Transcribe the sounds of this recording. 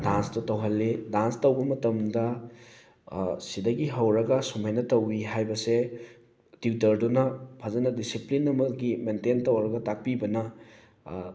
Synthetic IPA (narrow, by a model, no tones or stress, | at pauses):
danstɐtɐwɦɐlːedanstɐwbɐmɐtɐmdɐ | sidɐɡiɦɐwɾɐɡɐsumajnɐtɐwiɦajbɐse | tiwtɐɾdunɐpʰazɐnɐdisiplinɐmɐɡimententɐwɾɐɡɐtak̚pibɐnɐ